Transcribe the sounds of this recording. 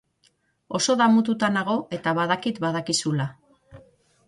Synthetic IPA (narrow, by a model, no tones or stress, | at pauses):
o̞so̞ðamut̪̬ut̪anaɣ̞o̞ʔe̞t̪aβaðakit̪baðakisula